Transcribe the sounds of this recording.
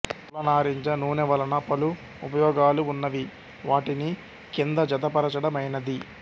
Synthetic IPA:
lɐnaːɾiɲt͡ʃɐnuːnɛʋɐlɐnɐpɐlu | upɐjɔːɡaːluːnːɐʋi | ʋaːʈini | kind̪ɐd͡ʒɐt̪̬ɐpɐɾɐt͡ʃɐɽɐmɐjnɐd̪i

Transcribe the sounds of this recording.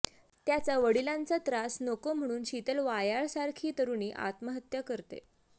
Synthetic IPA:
t̪jat͡saʋəɽilãnt͡sat̪ɾasnokom̤əɽ̃uːnɕit̪əlʋajaɭsaɾkʰiːt̪əɾuniːʔa̰t̪məɦət̪jəkəɾt̪ḛ

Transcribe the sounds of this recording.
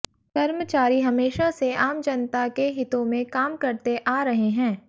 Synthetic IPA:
kɐɾmət͡ʃaːɾiɦɐmeːʃaseaːmd͡ʒɐnt̪akeɦɪt̪õmẽkaːmkɐɾt̪eʔaːɾɐɦeɦɛ̃ː

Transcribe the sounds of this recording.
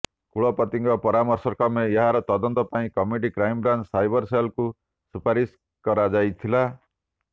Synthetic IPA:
kuɭɔpɔt̪iŋɡɔpɔɾamɔɾsɔkɔmejʌɦaɾɔt̪ɔd̪ɔnt̪ɔpaĩkʌmiʈikɾajmbɾant͡ʃsajbʌɾsajlku | supaɾis | kɔɾad͡ʒajt̪ʰila

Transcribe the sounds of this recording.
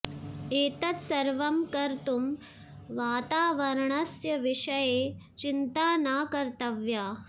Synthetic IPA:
eːt̪ɐt̪sɐɾʋɐmkɐɾt̪um | ʋaːt̪aːʋɐɾɳɐsjɐʋiʂɐjeː | t͡ʃint̪aːnaːkɐɾt̪ɐʋjaː

